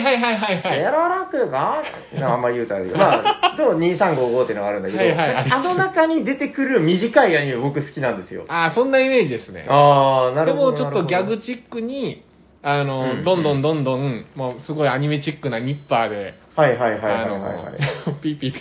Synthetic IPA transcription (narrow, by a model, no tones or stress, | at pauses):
ɦaiɦaiɦaiɦaijaɾaɾakɯɡa | aamːaijɯ̟ːt̪oaɾemaːd̪oːɲ̟iːsãŋɡoːɡoːt̪ːeiɯnoaɾɯ̃nd̪akead̪oiɦaiaanonakaɲ̟id̪e̞t̪e̞kɯ̟ɾɯ̟mʲiʑikaiaɲ̟imebo̞kɯ̟sɨ̥kʲinãnd̪e̞sɨjo̰aːsõ̞nːaime̞ːd͡ʑid̪e̞sɨnḛaːnaɾdemodt͡ɕo̞t̪ːoɡʲaɡɯ̟t͡ɕikːɯ̟ɲ̟i | ano̞d̪õ̞nd̪õnd̪õ̞nd̪õ̞ŋmoːsɨɡo̞iaɲ̟ime̞t͡ɕikːɯ̟naɲ̟ipːaːd̪e̞ | haiɦaiɦaanoa̰ja̰pʲiːpʲiːpː